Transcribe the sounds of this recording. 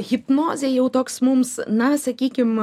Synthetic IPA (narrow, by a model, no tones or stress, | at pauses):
ɣʲɪpnoːzʲejɛʊt̪oːksmʊmsnɐsɐkʲiːkʲɪm